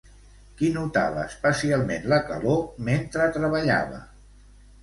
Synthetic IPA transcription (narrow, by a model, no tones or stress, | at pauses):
kinut̪a̰βəspəsialˠmenləkəloment̪ɾət̪ɾəβəʎa̰βə̰